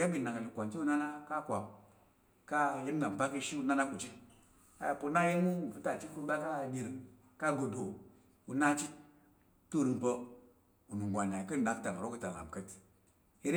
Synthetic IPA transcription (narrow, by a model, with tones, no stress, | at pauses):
ja˦bi˨na˨ka˨li˨kʷa˨nt͡ʃi˦u˦na˦na˦ka˦kʷa˨m | ka˦ji˦m˦ɡa˨m˨pa˦ki˦ʃi˦u˦na˦na˦ku˨t͡ʃi˦ | a̰˨ja˨pu˦na˦ji˦mu˦˨fu˦ta˨t͡ʃi˦ku˦ba˦ka˦˨di˨ɾ | ka˦ɡo˨do˨ | u˨na˦t͡ʃi˦ | tu˦ɾi˨mpə˦ | u˨nu˨ɡʷa˨n˨a˨kə˦n˨da˦kta˨n˨ɾo˦kə˦ta˨la̰˨m˨kə˦t | i˦ɾ